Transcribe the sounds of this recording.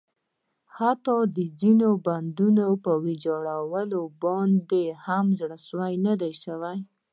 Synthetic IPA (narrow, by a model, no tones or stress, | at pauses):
hat̪ɑd̪əzinoband̪unopəwed͡ʒɑɽawəlobɑnd̪ehamzɽəswajnad̪ajʃəwaj